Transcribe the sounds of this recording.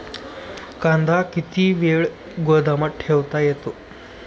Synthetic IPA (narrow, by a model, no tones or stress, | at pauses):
kãnd̪ʱakit̪iːʋeɭ | ɡod̪ʱaməʈ̚ʈʰeʋt̪ajet̪o